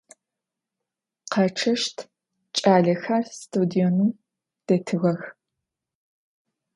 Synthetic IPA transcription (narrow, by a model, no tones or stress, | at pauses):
qɐʈ͡ʂʰɐʃtʰ | t͡ʃʼaːɮɐxɐrstʰuːdijonu | d̥ɐtʰɨɣɐx